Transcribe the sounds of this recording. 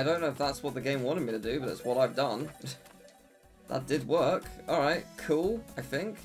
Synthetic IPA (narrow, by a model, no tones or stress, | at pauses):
aɪɾõʊ̃nːoʊfðætswʌt̪̚ðɨɡẽɪ̃mwɑ̃ñtɨd̚miɾɨdɨbʌɾɨ̰tswʌɾaɪvdʌ̃n | ðə̰t̚d̥ɨd̚wɜ˞kɔlˠɹaɪt̚kʰulˠaɪθɪ̃ŋk